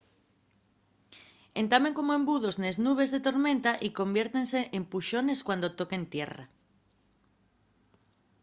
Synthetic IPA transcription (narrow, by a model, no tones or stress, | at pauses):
ent̪ameŋkomoembuð̞ozneznuβ̞ezðet̪oɾmẽnt̪aʔikombjeɾt̪enseʔempuʃoneskwand̪ot̪okeent̪jera̰